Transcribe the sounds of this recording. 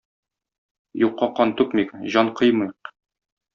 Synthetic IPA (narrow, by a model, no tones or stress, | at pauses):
juqːɑqɑnt̪ʉkmikʑɒɴqɤjmɤjq